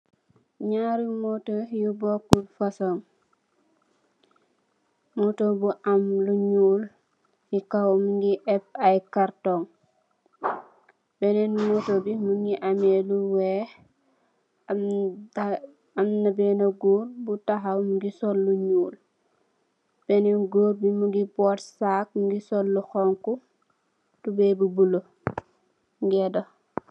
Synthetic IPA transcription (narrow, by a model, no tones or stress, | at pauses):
ɲaɾimotojubokulfasoŋ | motobuʔamluɲuːl | jikawmuŋɡiʔɛp̚ajkaɾtoŋ | bɛnɛnmotobimuŋɡiʔameluwɛ | m | ɐmnɐbɛnɐɡuːɾbutaɦɐwmuɡisɔlːuɲuːl | b̥ɛnɛɡoːɾbimuɡibɔːtsak̚muŋɡisɔlːuxɔŋku | tubɛbubulo | ŋɡɛdo